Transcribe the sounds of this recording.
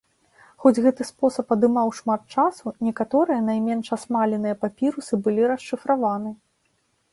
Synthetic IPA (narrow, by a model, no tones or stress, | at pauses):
xɔd͡zʲɣɛt̪ɨspɔsɐpɐd̪ɨmawʂmat̪̚t͡ʂasunʲɛkat̪ɔɾɨjɐn̪ajmʲɛnʂasmalʲɛnɨjɐpapʲiɾusɨbɨlʲiɾɐʂːɨfɾavanɨ